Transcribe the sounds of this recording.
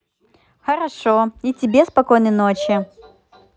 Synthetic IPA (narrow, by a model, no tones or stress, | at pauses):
xɐɾɐʂoitʲɪbʲespɐko̞jnəjnot͡ɕjɪ